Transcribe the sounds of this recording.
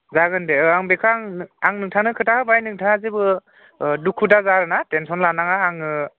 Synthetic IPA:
zaɡɯndeaŋbekʰaŋaŋnɯŋtʰanɯkʰɯtʰahɯbajnɯŋtʰaazibɯ | dukʰudazaɾɯnatensɔnlanaŋaɦaŋɯ

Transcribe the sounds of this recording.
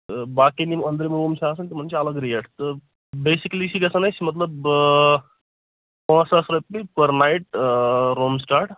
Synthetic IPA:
baːkinimɐnd̪ɾimɾoːmt͡ʃʰaːs̬ɐnt̪im̤ɐnt͡ʃeɐləɡɾijɐʈʰt̪ə | beːsiklit͡ʃiɡɐsɐnɐt͡ʃmɐt̪̬ləb | pãːsɐsɾɐpːipɐɾnaiʈ̚ɾoːmsʈaːɾʈ

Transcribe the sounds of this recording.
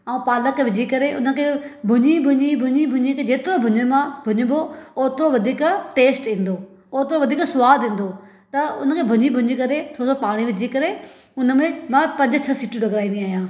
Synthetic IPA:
aːũpaːləkʋɪd͡ʑʱikɐɾeʔʊnə̆kʰebʱʊɲibʱʊɲibʱʊɲibʱʊɲikʰed͡ʑeːt̪ɪɾobʱʊɲəmãbʱʊɲɪbooːt̪ɪɾoʋɐd̪ʱiːkʈeːsʈĩːn̆d̪oː | oːt̪ɪɾoʋɐd̪ʱiːksʊʋaːd̪ʱĩːn̆d̪o | t̪ɐʊnəkʰeːbʱʊɲibʱʊɲikɐɾet̪ʰoːsopaːɽ̃iʋɪd͡ʑʱikɐɾe | ʊnə̆mẽmãpɐ̃ɲd͡ʑ̆t͡ɕʰɐsiːʈũɖɐɡɾaːĩnd̪ĩaːɦijãː

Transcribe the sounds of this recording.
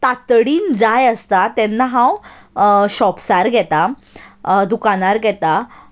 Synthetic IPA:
t̪at̪ɽiːnd͡zajəst̪at̪ɛnːaɦãw | ɕɔpsaɾɡʱɛt̪a | d̪ukaɽaɾɡʱɛt̪a

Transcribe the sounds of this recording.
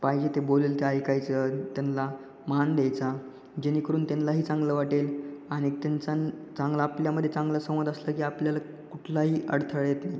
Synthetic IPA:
paɦid͡ʑet̪eboleːlt̪eajkajt͡sət̪janla | mand̪ejt͡sa | d͡ʑenikəɾuːnt̪anlaɦiːt͡sãŋɡləːʋaʈelaɽ̃it̪ant͡sat͡saŋɡlaːpljaməd̪ʱːjet͡sãŋɡləsə̃w̃ʋəd̪əsləkiːapljala | kuʈʰlaɦiːʔə̰ɽt̪ʰəɭjet̪naj

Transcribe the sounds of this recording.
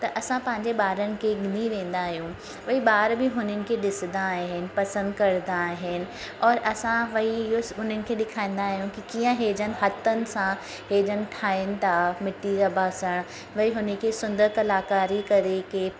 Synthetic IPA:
t̪ɐʔɐsãpɐ̃ɦɪ̃ɲd͡ʑeɓaːɾənɪ̆kʰeɡɪniʋẽːn̆d̪aːɦijũ | ʋɐɦiɓaːɾbɪɦʊnənɪ̆kʰeɗɪsɪd̪aːɦɦɪnɪ̆pɐsə̃nd̪kɐɾd̪aːɦɪnɪ̆ | ɔːɾʔɐsãʋɐɦiɪɦoɦʊn̤ənɪ̆kʰeːɗɪkʰaːĩːn̆d̪aːɦjũkikiːə̃ɦeːd͡ʑənɪ̆ɦɐt̪ənɪ̆sã | ɦeːd͡ʑənɪ̆ʈʰaːɪnɪ̆t̪ʰamɪʈːiɾɐbʱaːsəɽ̃ | ʋɐiɦʊnəkʰesʊ̃nd̪əɾkɐlaːkaːɾikɐɾekeː

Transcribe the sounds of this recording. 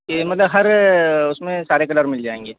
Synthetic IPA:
kemɐt̪ləbɦɐɾʊsmẽsaːɾekɐləɾmɪld͡ʒaːẽːŋɡeː

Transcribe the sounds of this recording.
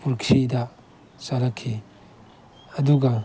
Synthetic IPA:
puɾkʰɾidɐ | salɐkʰːi | ɐduɡɐ

